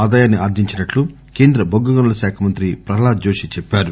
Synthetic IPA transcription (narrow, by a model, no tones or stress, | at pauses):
aːd̪aːjaːnːiaːɾd̪iɲt͡ʃinɐʈlu | keːnd̪ɾɐbʱoɡːɐɡɐnɐlɐʃaːkʰɐmɐnt̪ɾipɾɐɦlaːd͡ʒoːʃit͡ʃɛpːaːɾu